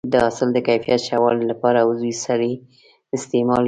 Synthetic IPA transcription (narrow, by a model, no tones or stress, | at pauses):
d̪əasɪld̪əkajfijat̪ʃawɑllapɑɾawzujsaɾi | ɪst̪emɑl